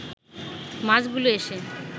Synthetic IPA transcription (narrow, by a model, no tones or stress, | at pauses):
mad͡ʑɡuloeʃe